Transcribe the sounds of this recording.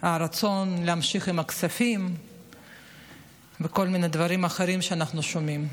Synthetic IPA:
aɾat͡so̞nleamʃiχimakt͡safim | veko̞lmined̪vaɾimaχeɾimʃeanaχnuʃomim

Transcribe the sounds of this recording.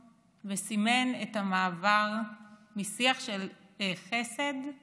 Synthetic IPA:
vesime̞netamaːvaʁmisiaχʃel | eχese̞d̪

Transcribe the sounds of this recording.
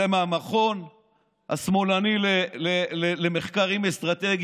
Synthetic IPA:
emamaχo̞n | ha̰smo̞lanilelelelemeχkaʁimest̪ʁat̪eɡ

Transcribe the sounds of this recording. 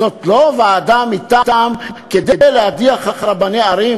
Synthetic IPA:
ot̪loveaːd̪amit̪at̪amked̪ed̪ejlead̪iaχaχɾabaneaɾi

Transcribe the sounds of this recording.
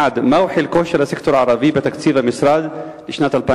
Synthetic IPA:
ad̪mawħilkoːʃalasɪkt̪oɾʕɑɾˤɑbibɪt̪akt̪iːvamɪsɾˤɑːd̪ | lɪʃnaːt̪alpa

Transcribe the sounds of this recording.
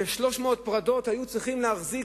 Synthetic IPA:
eʃlo̞ʃmo̞ːt̪pʁado̞t̪hajut͡sʁiχimleaχzi

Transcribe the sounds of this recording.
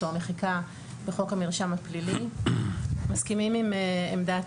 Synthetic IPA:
omeχika | b̥eχo̞khamiʁʃamhaplili | maskimimimemda

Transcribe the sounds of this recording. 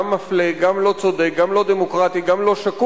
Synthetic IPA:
mːafleɡamlo̞t͡so̞d̪ekɡamlo̞d̪emokʁat̪iɡamlo̞ʃaku

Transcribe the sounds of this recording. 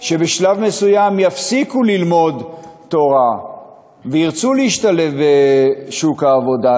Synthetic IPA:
ʃe̞beʃlavme̞sujamjafsikulilmo̞d̪t̪o̞ʁa | veiʁt͡suleiʃt̪ale̞vbeʃukhaːvo̞da

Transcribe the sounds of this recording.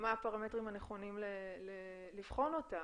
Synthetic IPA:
maapaʁametʁimhaneχo̞nimlele | livχo̞no̞ta

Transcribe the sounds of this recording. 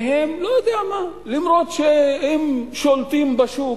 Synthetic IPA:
ɦemlojod̪eama | limɾot̪ʃehemʃolt̪imbaʃu

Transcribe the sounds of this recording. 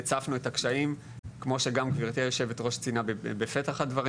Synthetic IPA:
t͡safnue̞takʃaim | kmo̞ʃe̞ɡamɡviʁt̪iajoʃeve̞tʁo̞ʃt͡sinabebefetaχhadvaʁ

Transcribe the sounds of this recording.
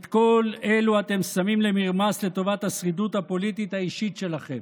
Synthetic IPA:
t̪ko̞le̞luat̪e̞msamimle̞miʁmasle̞t̪o̞vat̪hasʁid̪ut̪hapo̞lit̪it̪haiʃit̪ʃe̞laχem

